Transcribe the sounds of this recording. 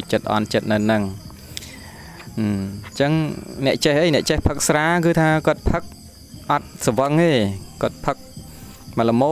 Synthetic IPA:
t͡ɕət̪̚ʔɑ̰nt͡ɕət̪̚nɨwnɨŋ | ʔːt͡ɕəŋnɛ̆əʔt͡ɕehʔəjnɛ̆əʔt͡ɕehpʰək̚sraːkɨːt̪ʰaːkŏət̪̚pʰək̚ | ʔɑt̪̚səʋəŋeːkŏət̪̚pʰək̚ | maləmoː

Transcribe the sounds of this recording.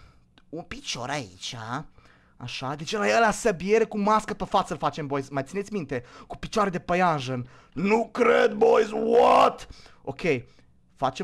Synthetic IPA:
unpit͡ʃo̞̰ɾaḭt͡ʃʲa | a̰ʃad̪et͡ʃelajelasəbie̞ɾe̞kumaskəpefat̪səɨlfat͡ʃe̞mbo̞jzmajt̪sinet̪sʲmint̪e̞ku̥pit͡ʃoaɾed̪e̞pəjanʒən | nukɾed̪bojzwot̪ | okʲʰej | fat͡ʃe

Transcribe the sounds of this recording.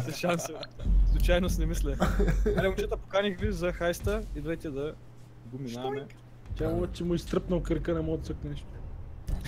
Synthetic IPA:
sɛʃansɛslˠut͡ʃajnosnɛmislʲɛaɾɛmʊt͡ʃɛt̪əpokanixvizɐxajst̪əid̪vɛt̪ʲɛd̪ɐ | ɡʊminamɛ | t̪ʲamt͡ʃɛmʊist̪ɾəpnɐlkəɾkənɐmɔt̪səknɛʃt̪o̥

